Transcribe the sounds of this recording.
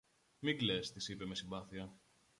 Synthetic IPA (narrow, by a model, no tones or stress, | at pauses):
miɡlest̪isipe̞me̞simbɐθiɐ